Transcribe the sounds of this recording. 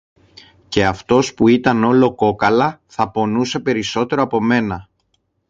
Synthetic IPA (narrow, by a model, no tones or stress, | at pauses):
ce̞ɐft̪o̞spuit̪ɐno̞lo̞ko̞kɐlɐθɐpo̞nuse̞pe̞ɾiso̞t̪e̞ɾo̞ɐpo̞me̞nɐ